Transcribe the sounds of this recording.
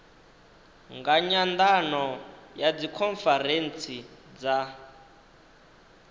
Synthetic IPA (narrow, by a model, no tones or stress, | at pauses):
ŋɡaɲand̪anɔjad͡zikʰɔnfɛɾent͡sʰid͡za